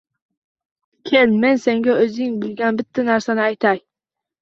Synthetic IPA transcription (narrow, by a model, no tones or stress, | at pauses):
kʲʰelme̞nse̞ŋɡʲaɵzɪŋbɪlɡʲanbɪt̪ʰːanaɾsanɪajt̪ʰaj